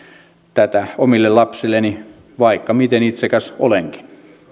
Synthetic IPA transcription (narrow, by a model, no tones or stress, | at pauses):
t̪æt̪æomilːellɑpsilːˑeni | ʋɑikːɑmit̪enit̪sekæso̰leŋki̥n